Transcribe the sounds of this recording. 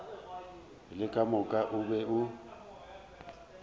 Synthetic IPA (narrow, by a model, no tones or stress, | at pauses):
lɪkʼamʊkʼaʔʊbɛʊ